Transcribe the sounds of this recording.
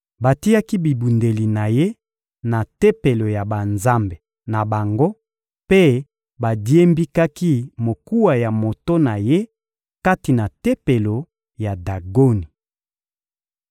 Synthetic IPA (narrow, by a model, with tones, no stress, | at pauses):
ba˨ti˦ja˦ki˦bi˨bu˨nde˨li˨na˨je˦ | na˨te˦pe˨lo˨ja˨ba˨nza˦mbe˨ | na˨ba˨ŋɡo˦ | pe˦ | ba˨di˦e˦mbi˦ka˦ki˦mo˨ku˦wa˨ja˨mo˨to˦na˨je˦ | ka˦ti˨na˨te˦pe˨lo˨ | ja˨da˨ɡo˦ni˨